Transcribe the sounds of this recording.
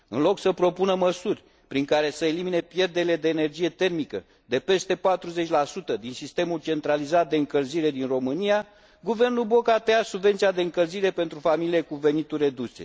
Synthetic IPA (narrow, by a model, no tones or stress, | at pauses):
ɨnlo̞ksəpɾo̞punəməsurʲ | pɾiŋkaɾe̞səelimine̞pje̞rd̪eɾiled̪e̞ːne̞rd͡ʒije̞t̪e̞rmikə | d̪e̞pe̞st̪e̞pat̪ɾuze̞t͡ʃʲlasut̪əd̪insist̪e̞mult͡ʃe̞nt̪ɾalizat̪̚d̪e̞ɨŋkəlziɾe̞d̪inro̞mɨnija | ɡuve̞rnubo̞kat̪easubvent̪sijad̪eɨŋkəlziɾe̞pe̞nt̪ɾufamilie̞kuve̞nit̪ure̞d̪usḛ